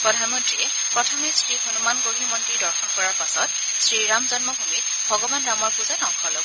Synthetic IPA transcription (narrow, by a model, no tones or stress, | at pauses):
pɹɔdʱanmɔntɹiɛ | pɹɔtʰɔmesɹihonumanɡoɦimɔntidɔɹkʰɔnkɔɹaɹpasɔt̚ | sɹiɹamzɔnmɔbʱumit | bʱɔɡɔbanɹamɔɹpuzanɔŋkʰɔlobɔ